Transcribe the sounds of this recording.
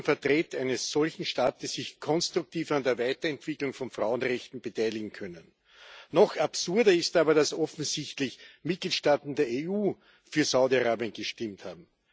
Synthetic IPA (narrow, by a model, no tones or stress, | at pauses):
nfɛɐtʁeːtæɪnəsːɔlçn̩ʃtaːtəsːɪçkʰɔnstʁ̥ʊk̚tʰiːfandeːɐvæɪtɐɛntv̥ɪklʊŋfɔnfʁaʊənʁɛçtn̩bətʰæɪlɪɡŋ̩kʰœnənː | ɔxapsʊɐdɐɪstaːbɐdasɔfn̩zɪçtlɪçmɪt̚ɡ̥liːtʃtaːtn̩deːɐeuː | fyːɐsaʊdiaʁaːbiənɡ̥əʃtɪmtha̰ːb̚m̩